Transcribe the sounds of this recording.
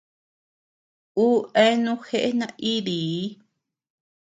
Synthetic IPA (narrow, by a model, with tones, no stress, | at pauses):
u˦ʔe˦nũ˦xe˦˧ʔe˦nã˧ʔi˦ði˨˦